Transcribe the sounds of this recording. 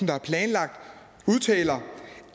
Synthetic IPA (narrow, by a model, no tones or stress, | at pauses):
n̩d̥ɑæɐpʰlɛːnlɑ̈ɡ̥̚d̥ | uð̞ˠt͡sʰɛ̰ːlɐ